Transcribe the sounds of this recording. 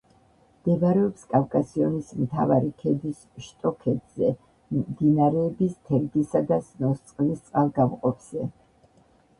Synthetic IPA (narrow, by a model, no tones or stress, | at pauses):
md̪ɛvaɾɛɔpskʼavkʼasiɔnismt̪ʰavaɾikʰɛd̪is | ʃt̪ʼɔkʰɛt̪z̥ɛ | d̪inaɾɛːbist̪ʰɛɾd̪isad̪asnɔst̪sʼqʼlist̪sʼqʼalˠɡamqʼɔpʰz̥ɛ